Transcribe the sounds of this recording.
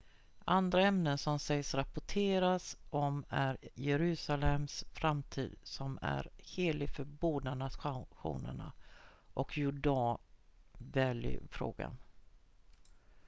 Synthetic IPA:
and̪ɾaɛmnənsɔmsɛjsɾapʊʈʰeːɾasɔmæɾjɛɾʉ̟ːsalɛmsfɾamt̪ʰḭːd̪̥sɔmæ̰ɾheːlɪɡfœɾboːd̪aɳaɧṵːnə̰ɳa̰ʔɔkʰjʊɖɑː | vɛljə̰fɾo̰ːɡa̰n

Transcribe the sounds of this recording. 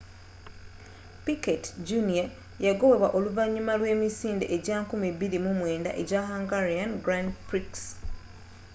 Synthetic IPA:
piketɟunia | jaɡo̞we̞waʔo̞luvaɲːumalwe̞ːmisiːnde̞ʔeɟakumiβiɾimumwe̞ːnda̰ʔe̞ɟaɦaŋɡaɾianɡɾandpɾiks

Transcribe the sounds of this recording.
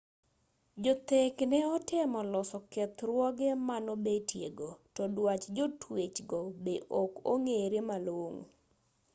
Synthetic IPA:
d͡ʒot̪eknɛɔtɪmɔlɔsɔkɛt̪ɾwɔɡɛmanobetʰjeɡotɔdwat͡ʃd͡ʒotwet͡ʃɡɔbeʔoko̰ŋeɾemaloŋ

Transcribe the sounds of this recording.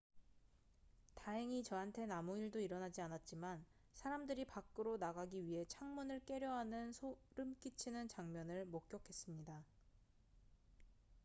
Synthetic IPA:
taɦeŋit͡ɕʌɦantʰe̞namoiɭdoiɾʌnad͡ʑianat̚t͡ɕ͈iman | sʰaɾamdɯɾipak͈ɯɾonaɡaɡiɥiɦe̞t͡ɕʰaŋmunɯɭk͈e̞ɾjʌɦanɯnsʰoɾɯmk͈it͡ɕʰinɯnt͡ɕaŋmjʌnɯɭmok̚k͈jʌkʰe̞s͈ɯmɲida

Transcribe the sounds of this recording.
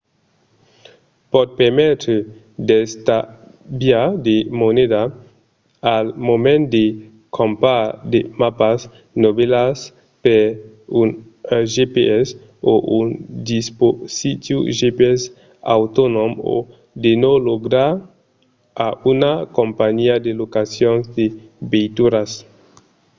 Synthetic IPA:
pɔd̪̚pɛʁmɛt̪ɾe | d̪ɛst̪a | bjad̪emoned̪a | almomɛ̃nd̪e | kʰɔ̃mpad̪emapas | nobɛlas | pɛ | un | ʒepeɛs | oʔund̪isposit̪jṵʒepeɛs | a̰wt̪onõmo̰ | d̪enoloɡɾaɾ | aʔunakõmpaɲiad̪elokasjõnzd̪ebejt̪uɾas

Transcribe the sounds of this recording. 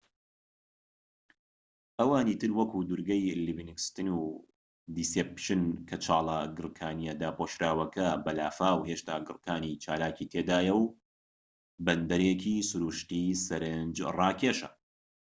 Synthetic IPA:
ʔɐwaːniːt̪ɨɾwɐkud̪uɾɡɐjlivinikst̪ɨnu | d̪isepʃɨnkʰɐt͡ʃʰaːlˠɐɡɨɾkʰaːnijɐd̪aːpoːʃɾaːwɐkʰɐbɐlaːfaːwheʃt̪aːɡɨɾkʰaːnit͡ʃʰaːlaːkit̪ʰeːd̪aːjɛw | bɐnd̪ɐɾekʰiːsʊɾuːʃt̪isɐɾɨnd͡ʒrɑːkʰeʃɐ̰

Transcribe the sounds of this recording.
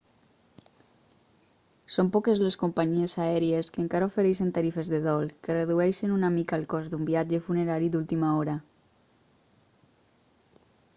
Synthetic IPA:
sompɔkezleskompaɲiesaɛɾieskeːŋkaɾaofeɾejʃent̪aɾifezðeðɔlkereðuɛjʃenunamikaːlkɔzd̪umbiad͡ʒefuneɾaɾid̪ult̪imaoɾa

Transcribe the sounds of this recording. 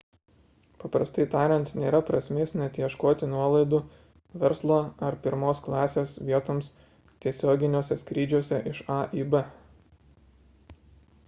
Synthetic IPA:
pɐpɾɐst̪ɐɪt̪ɑːɾʲɛnt̪nʲeːɾɐpɾɐsʲmʲeːsʲnʲɛt̪ʲjiɛʃkoːt̪ʲɪnuɔlˠɐɪd̪ʊ | ʋʲɛɾslˠoːɐɾpʲɪɾmoːsklˠɑːsʲeːsʋʲiɛt̪oːms | t̪ʲiɛsʲoːɡʲɪnʲoːsʲɛsʲkɾʲiːd͡ʒʲuɔsʲɛʔɪʃɑʔiːbɛ

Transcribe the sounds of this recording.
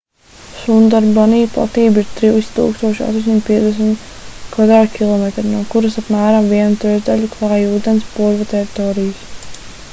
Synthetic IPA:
sund̪aɾbaniːplˠa̰t̪iːbiɾt̪ɾiwst̪ṵːkst̪uɔʃa̰st̪osimt̪̚piɛzd̪ɛs̬mt̪ | kvad̪ɾaːd̪kʲʰilˠɔmet̪ɾinuːkuɾasapmæːɾamviɛnut̪ɾɛʒd̪alʲuklˠaːjuːd̪ɛnspuɾvat̪ɛɾit̪ɔːɾijəs

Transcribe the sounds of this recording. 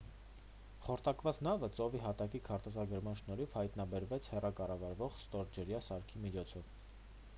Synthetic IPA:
χɔɾt̪ɑkvɑt͡snɑvət͡sɔviɦɑt̪ɑkikʰɑɾt̪ɛzɑɡəɾmɑnʃnɔɾivhɑjt̪nɑbɛɾvɛt͡sʰhɛrɑkɑrɑvɑɾvɔχst̪ɔɾd͡ʒəɾjɑsɑɾkʰimit͡ʃʰɔt͡sʰɔv

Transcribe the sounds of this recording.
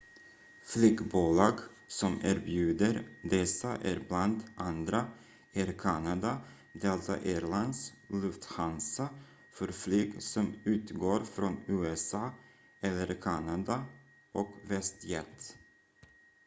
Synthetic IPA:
flʏɡbuːlɑːɡ | sɔmæːɾbjʉ̟ːd̪əɾd̪ɛsaʔæɾbland̪ʔand̪ɾa | ʔɛɾkʰanad̪a | d̪eːlt̪sɔ̰ʔeːɾɭand̪slɵft̪hansa | fœɾflyɡsɔmʉ̟ːt̪ɡoːɾfɾɔnʉːɛsɑː | ɛlːəɾkʰanad̪a | ʔɔkvɛst̪jɛt̪

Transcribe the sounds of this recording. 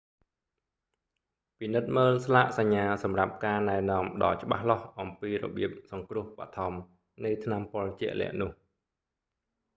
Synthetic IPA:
pinɨt̪̚məːlslaʔsaɲːaːsɑmrap̚kaːnaɛnɔ̆əmɗɑ̰ːt͡ɕə̆ɓa̰hlɑhʔɑmpiːrɔ̰ɓiəp̚sɑŋkrʊ̆əhpa̰t̪ʰɑm | nɨjt̪ʰnampŏəlt͡ɕɛ̆əʔlɛ̰̆əʔnʊ̆əh

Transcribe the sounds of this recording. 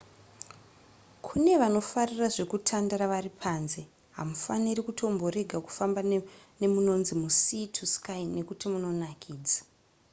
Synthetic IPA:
kʰune̞ʋano̞fariraʐe̞kutʰandaɾaʋaripʰaːnze̞ | ɦa̰mufanirikutʰo̞mbo̞ɾe̞ɡʱaku̥fambane̞muno̞nzimusitʰuskaine̞kutimuno̞nakʰiːd͡zḁ

